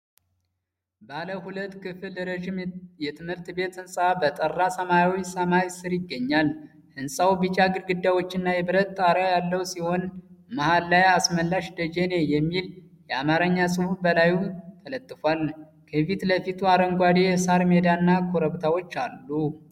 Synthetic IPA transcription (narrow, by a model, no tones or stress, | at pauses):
baləhulət̪ːkʰɨfɨlːəɾəʒimjɛt̪ʰɨmhɨɾt̪be̞t̪ɨnsʼabət̪ʼərːasəmajawisəmaɾisɨɾjɪɡːəɲːal | ʔɨnsʼawbɨt͡ʃʼaɡɨɾɡɨd̪ːawo̞t͡ʃːɪnːajɛβɨɾət̪ːʼaɾajalːəwsiho̞nmahalːajasməlːaʃd̪əd͡ʒene̞jɛmːil | jɛamaɾəɲːasʼɨhubəlajut̪ʰələt̪ʼːɨfwal | kʰəfit̪ləfit̪ʰuaɾəŋɡʷad̪ejɛsaɾme̞d̪anːakʰoɾəβt̪ʰawo̞t͡ʃːalːu